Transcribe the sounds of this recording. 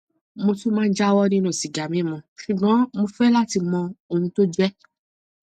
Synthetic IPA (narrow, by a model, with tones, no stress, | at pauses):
mo˧tu˦mãː˦˧n̩˦d͡ʒa˦wɔ˦nĩ˧nũ˨si˨ɡa˨mĩ˨˦˨mɔ̃˧ʃu˨ɡ͡bɔ̃˨˦mo˧fɛ˦la˦ti˧mɔ̃˧o˨nũ˧to˦d͡ʒɛ˦